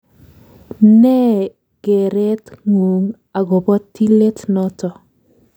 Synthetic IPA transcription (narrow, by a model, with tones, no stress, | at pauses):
nɛ˦ | ɡ̥e˨ɾe˦tŋu˨ŋ | a˨ɡɔ˨bɔ˦tːi˦le˦tnɔ˦tɔ˨